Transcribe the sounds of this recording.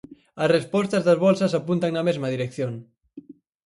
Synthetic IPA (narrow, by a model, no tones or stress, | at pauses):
asrespɔst̪azðɐzβɔlsasapunt̪aŋnamezmaðiɾekθjon